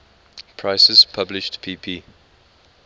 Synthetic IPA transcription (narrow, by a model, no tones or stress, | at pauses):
pʰɹaɪsəzpʰablɪʃtpʰiːpʰiː